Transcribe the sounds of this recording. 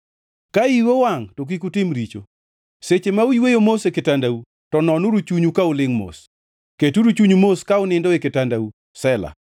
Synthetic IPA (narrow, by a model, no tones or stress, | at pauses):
kaiwowaŋtok̬ikutɪmɾit͡ʃo | set͡ʃemauiwejomosekɪtandau | tɔnɔnuɾut͡ʃuɲukaulɪŋmo̰s | ketuɾut͡ʃuɲumoskaʊnɪndɔekɪtandau | sɛla̰